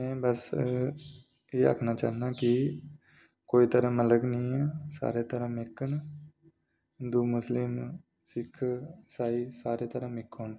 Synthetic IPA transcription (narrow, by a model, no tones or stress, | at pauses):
mɛ̃ːbəs | eːa̰ːkʰnaːt͡ʃa̰ːɦnaːkɪ | koːiːt̪əɾə̃ːmələɡnĩːɛːsa̰ːɾeːt̪əɾãːmɪkːəɳ | d̪uːmʊslɪm | sɪkʰsaːiːsaːɾeːt̪əɾãːmɪkʰːoːɳ